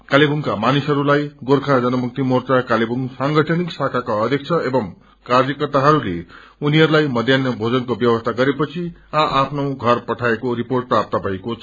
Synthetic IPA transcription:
kalibuŋkamanisɦʌɾulajɡorkʰad͡zʌnʌmuk̚t̪imort͡sakalibuŋsaŋɡʌʈʰʌniksakʰakaʌd̪ʱjʌk̚t͡sʰʌebʌŋ | kard͡zjʌkʌrt̪aɦʌɾulḛ | uniɦʌɾulajmʌd̪ʱjʌnjʌbʱod͡zʌnkobjʌwʌst̪ʰaɡʌɾepʌt͡sʰiaʔapʰnow̃ɡʱʌrpʌʈʰaekoɾiporʈ̚prap̚t̪ʌbʱʌekot͡sʰ

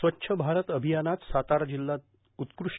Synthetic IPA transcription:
sʋətːɕʰəbʱaɾət̪əbʱijanat̪sat̪aɾd͡ʑilːat̪ | ut̪kɾuʂ

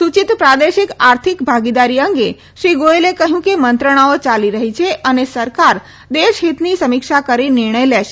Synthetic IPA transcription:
sut͡ʃit̪pɾad̪eʃikaɾt̪ʰikbʱaɡid̪aɾiəŋɡe | ʃɾiɡoelekəɦjũkemənt̪ɾəɽ̃aot͡ʃaliɾəɦit͡ʃʰeʔənesəɾkaɾ | d̪eʃɦit̪nisəmikʃakəɾinɪɾɳ̃əjlɛʃe

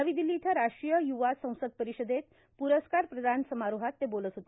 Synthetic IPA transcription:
əʋiːd̪ilːiːt̪ʰjaɾaʂɾijəjuʋasə̃w̃səd̪̚pəɾiɕəd̪et̪ | puɾəskaɾpɾəd̪ʱansəmaɾuɦat̪ːebolət̪ɦot̪e

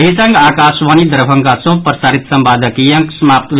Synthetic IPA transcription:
ɦisɐŋɡaːkaːsʋaːnid̪əɾbʱɐŋɡasõpɾsaːɾit̪sɐmbaːd̪ɐkijɐ̃ŋksmaːpt̪ʋ

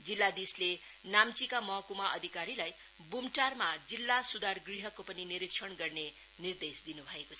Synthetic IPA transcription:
d͡zilːad̪isle | namt͡sikamʌkumaʔʌ̰d̪ʱikaɾilaj | bumʈarmad͡zilːasud̪arɡriɦʌkːopʌniniɾikʂʰʌɳɡʌrne | nird̪esd̪inubʱʌekot͡sʰʌ

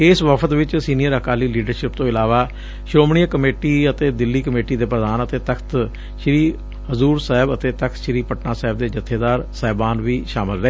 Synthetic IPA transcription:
ɪsʋəpʰət̪ʋɪt͡ʃsiːnijəɾəkaːliːliːɖəɾʃɪpt̪õːɪlaːʋaː | ʃɾoːmɳijaːkəmeːʈiːət̪eːd̪ɪlːiːkəmeːʈiːd̪eːpɾəd̪aːnət̪eːt̪əkʰt̪ | ʃɾiː | həzuːɾsaːɪbət̪eːt̪əkʰt̪ʃɾiːpəʈnaːsɛːɦɪb̚d̪eːd͡ʒət̪ʰːeːd̪aːɾsaːbaːnʋiːʃaːmɪlɾəeː

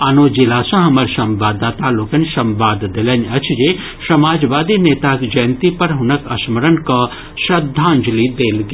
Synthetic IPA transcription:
ɐnoːd͡ʒilaːsɐ̃ɦɐmɐɾsɐ̃mʋaːd̪aːt̪aːlokɐnsɐmʋaːd̪d̪ɪlɐnʲɐt͡ʃʰd͡ʒeː | sɐmaːd͡ʒʋaːd̪ineːt̪aːkd͡ʒɐjnt̪ipɐɾɦʊnɐkɐ̰smɐɾənkɐ | ʃɐd̪ʱːãːnd͡ʒlid̪eːlɡ

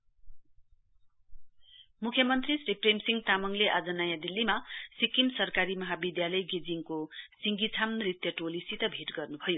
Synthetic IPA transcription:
mukʰjʌmʌnt̪risripremsiŋɡt̪amʌŋleʔad͡zʌnajad̪ilːimasikimsʌrkaɾimʌɦabid̪jalʌjɡed͡ziŋkosiŋɡit͡sʰamrit̪jʌʈolisit̪ʌbʱiʈɡʌrnubʱʌjo

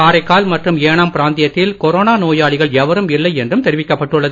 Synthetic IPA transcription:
aːɾɐɪkːaːlmɐʈrɯmeːɳaːmpɪɾaːnd̪ɪjɐt̪ːɪlkɔɾoːnaːnoːjaːɭɪɣɐɭɛʋɐɾɯmɪlːɐɪɛndrɯmt̪ɛɾɪʋɪkːɐpːɐʈːɯɭːɐð

